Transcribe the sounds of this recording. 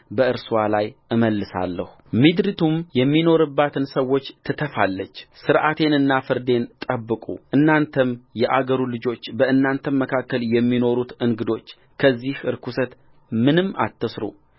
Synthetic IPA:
bəɨɾswalajʔɨməlːɨsa̰lːə̰hu̥mid̪ɾit̪ʰumjɛmːino̞ɾɨbːat̪ʰɨnsəwo̞t͡ʃːt̪ʰɨt̪ʰəfalːət͡ʃːsɨɾʔat̪ʰe̞nɨnːafɨɾd̪e̞nt̪ʼəbːɨkʼṵʔɨnːant̪ʰəmjɛʔaɡəɾulɨd͡ʒo̞t͡ʃːbəɨnːant̪ʰəmməkʰakːəljɛmːino̞ɾut̪ɨŋɡɨd̪o̞t͡ʃː | kʰəzːihɨɾkʰusət̪ | mɨnɨmːa̰t̪ːəsɾṵ

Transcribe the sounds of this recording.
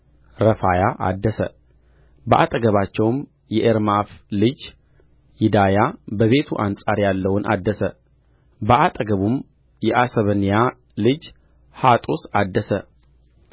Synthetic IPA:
ɾəfajaʔa̰d̪ːəsə | bəʔat̪ʼəɡəβat͡ʃːɛwm | jɛʔeɾmaflɨd͡ʒ | jɪd̪ajabəβe̞t̪ʰuʔansʼaɾjalːəwʊnʔa̰d̪ːəsə | bəʔat̪ʼəɡəβum | jɛʔasəβənija | lɨd͡ʒ | hat̪ʼosad̪ːəsə

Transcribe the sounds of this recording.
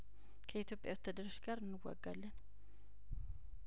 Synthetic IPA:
kʰəit̪ʰjo̞pʼjawt̪ʰːəd̪əɾəʃɡaɾɨnːɨwːa̰ɡːalːən

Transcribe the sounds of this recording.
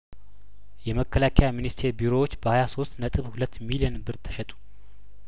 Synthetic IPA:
jɛməkʰːəlakʰajaminist̪ʰe̞ɾbiɾo̞wot͡ʃːbəhajaso̞st̪nət̪ʼɨβhulət̪ːmilijɛnbɨɾt̪ʰːə̥ʃɛt̪ʼu̥

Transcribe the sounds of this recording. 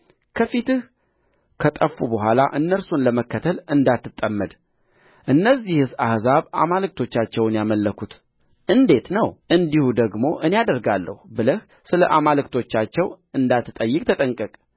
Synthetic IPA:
kʰəfit̪ɨh | kʰət̪ʼəfːubəɦʷala̰ʔɨnːəɾsunləməkːət̪ʰəlɨnd̪at̪ːɨt̪ʼːəmːəd̪ | ʔɨnːəzːihɨsahzaβa̰malɨk̚t̪ʰo̞t͡ʃːat͡ʃːɛwnjaməlːəkʰut̪ | ʔɨnd̪e̞t̪nəwʔɨnd̪ihud̪əɡmo̞ʔɨnejad̪əɾɡalːə̰hubɨləh | sɨləʔamalɨkt̪ʰo̞t͡ʃːat͡ʃːɛw | ɨnd̪at̪ːɨt̪ʼəjːɨkʼt̪ʰət̪ʼəŋkʼəkʼ

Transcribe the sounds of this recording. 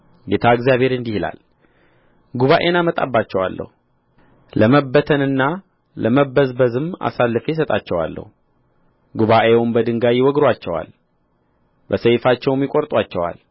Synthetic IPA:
ɡe̞t̪ʰaɨɡzijaβhe̞ɾɨnd̪ihla̰l | ɡuβaʔe̞namət̪ʼa̰bːat͡ʃːɛwa̰lːə̰hu | ləməbːət̪ʰənɨnːa | ləməbəzbəzɨma̰salːɨfes̬ət̪ʼat͡ʃːɛwa̰lːə̰hu | ɡuβaʔewʊmbəd̪ɨŋɡajɪwɔɡɾwat͡ʃːɛwa̰l | bəsəjfat͡ʃːɛwmjɪkʼoɾt̪ʼwat͡ʃːɛwa̰l

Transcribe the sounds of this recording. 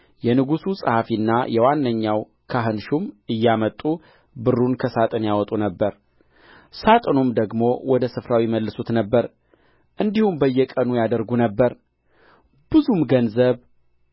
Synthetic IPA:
jɛnɨɡususʼəhafinːajɛwanːəɲːaw | kʰaɦɨnʃumʔɨjːamət̪ʼu | bɨrːunkʰəsat̪ʼɨnjawɔt̪ʼunəbːəɾ | sat̪ʼɨnumd̪əɡmo̞wʔɔd̪əsɨfɾawiməlːɨsut̪nəbːəɾ | ʔɨnd̪ihumbəjːɛkʼənujad̪əɾɡunəbːəɾ | b̥ɨzumɡənzəβ

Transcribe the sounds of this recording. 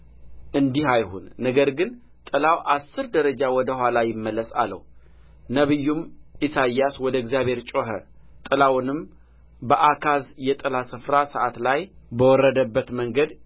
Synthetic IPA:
ʔɨnd̪ihajhunːəɡəɾɡɨn | t̪ʼɨlawʔasːɨɾd̪əɾəd͡ʒawɔd̪əhwalajɪmːəlːəsalːə̰h | nəβɨjːumʔisajːaswɔd̪əɪɡzijaβhe̞ɾt͡ʃʼoɦə̰ | t̪ʼɨlawnɨm | bəʔakʰazjɛt̪ʼɨlasɨfɾasəʔat̪lajbəwɔrːəd̪əbːət̪məŋɡəd̪

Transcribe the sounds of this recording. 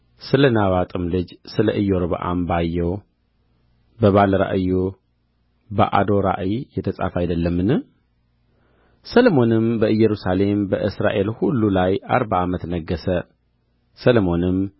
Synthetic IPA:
sɨlənaβat̪ʼɨmlɨd͡ʒsɨləʔɨjoɾβə̰ʔa̰mbajːɛw | bəβaləɾa̰ʔɨjo | bə̰ʔa̰d̪o̞ɾa̰ʔɨjjɛt̪ʰəsʼa̰fajd̪əlːəmːɨnɨ | səlomo̞nɨmbəʔɨjːɛɾusale̞mbəʔɨsɾa̰ʔe̞lhulːulaja̰ɾbaamət̪nəɡːəsə | səlmo̞nɨm

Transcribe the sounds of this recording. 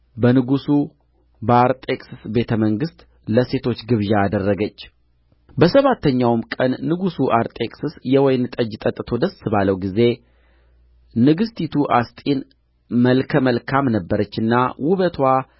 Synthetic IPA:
bənɨɡusu | bəaɾt̪ʼekʼsɨsbe̞t̪ʰəməŋɡɨst̪ʼ | ləse̞t̪ʰo̞t͡ʃːɡɨβʒaːd̪ərːəɡət͡ʃː | bəsəβat̪ʰːəɲːawmkʼənːɨɡusuʔaɾt̪ʼekʼsɨsjɛwɔjnt̪ʼəd͡ʒt̪ʼət̪ʼːt̪ʰo̞d̪əsːɨβaləwɡize̞ | nɨɡɨst̪ʰit̪ʰuʔast̪ʼin | məlkʰəməlkʰamnəbːəɾət͡ʃːɨnːawʊβət̪ʰwa

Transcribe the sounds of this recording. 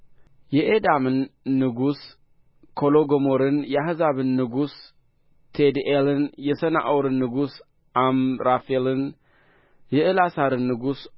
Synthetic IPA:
jɛʔed̪amɨnːɨɡus | kʰo̞loɡomoɾɨnjɛahɨzaβɨnːɨɡus | t̪ʰed̪ʔelɨnjɛsəna̰ʔwɾɨnːɨɡus | ʔamɾafelɨn | jɛʔɨlasaɾɨnːɨɡus

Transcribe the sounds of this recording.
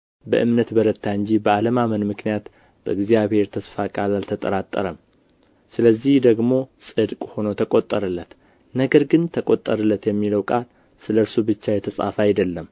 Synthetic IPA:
bə̰ʔɨmnət̪bəɾət̪ʰːaɨnɲd͡ʒibəaləmamənmɨknijat̪ | b̥ə̰ɨɡzijaβhe̞ɾt̪ʰəsfakʼalalt̪ʰət̪ʼəɾat̪ʼːə̰ɾəm | sɨləzːihd̪əɡmo̞sʼɨd̪kʼho̞not̪ʰəkʼot̪ʼːəɾɨlːət̪ | nəɡəɾɡɨnt̪ʰəkʼot̪ʼːəɾɨlːət̪jɛmːiləwkʼal | sɨləɾsubɨt͡ʃːajɛt̪ʰəsʼa̰fajd̪əlːəm

